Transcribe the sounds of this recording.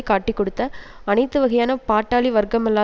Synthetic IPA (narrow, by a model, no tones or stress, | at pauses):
kaːʈːikːɔɽɯt̪ːɐɐnɐɪt̪ːɯʋɐɣɐjaːnɐpaːʈːaːliʋɐɾɡɐmɛlːaː